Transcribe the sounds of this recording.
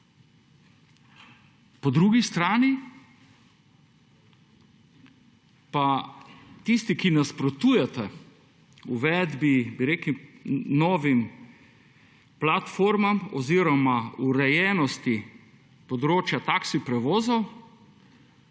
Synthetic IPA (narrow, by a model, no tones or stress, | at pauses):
pɔd̪ɾuːɡist̪ɾaːni | pa | t̪ist̪ikinaspɾɔt̪uːjɛt̪ɛ | uʋɛd̪bibiɾeːkinɔːʋim | plat̪foɾmamɔziːɾɔmauɾɛjɛnɔst̪i | pɔd̪ɾoːt͡ʃjat̪aːksipɾɛʋoːzɔw